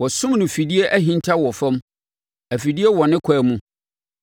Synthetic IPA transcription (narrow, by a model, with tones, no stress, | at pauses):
wɔ˨sʊ̃˦mnʊ̃˨fi˨di˦e˦ʔæ˦ɦĩ˦ntʰa˦wɔ˨fɛ̃˦m | æ˨fi˨di˦e˦wɔ˨nɪ̃˦kʷʰaː˨mũ˦